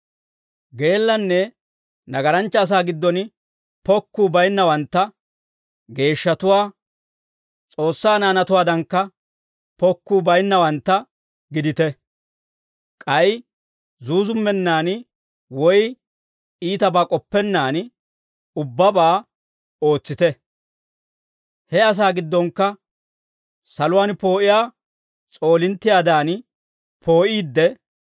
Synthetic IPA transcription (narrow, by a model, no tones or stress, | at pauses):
ɡe̞ːlːɐnːɛ | nɐɡɐɾɐnt͡ʃːɐːs̬aːɡɪd̪ːɔn | pɔkːuːbɐjnːɐwɐnt̪ːɐ | ɡe̞ːʃːɐt̪ʊwaː | t͡sʼo̞ːsːaːnaːnɐt̪ʊwaːd̪ɐŋkːɐ | pɔkːuːbɐjnːɐwɐnt̪ːɐ | ɡɪd̪ɪt̪ɛ | kʼɐj | zuːzʊmːɛnːaːn | wɔj | iːt̪ɐbakʼɔpːɛnːaːn | ʊbːɐbaː | o̞ːt͡sːɪt̪ɛ | hɛɐs̬aːɡɪd̪ːɔŋkːɐ | sɐlʊwaːnpo̞ːʔɪjaː | t͡sʼo̞ːlɪnt̪ːɪjaːd̪aːn | pʰo̞ːʔiːd̪ːɛ